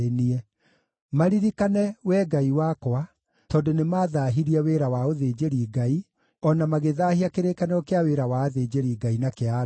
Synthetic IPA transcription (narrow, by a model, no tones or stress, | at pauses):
eniɛ | maɾiɾikanɛwɛːɡaiwakwa | tɔːdonemaːðaːɦiɾiɛweɾawaoðeːd͡ʑeɾiɡai | ɔnamaɣeðaːhiakeɾeːkanɛokeaweɾawaðeːd͡ʑeɾiɡainakea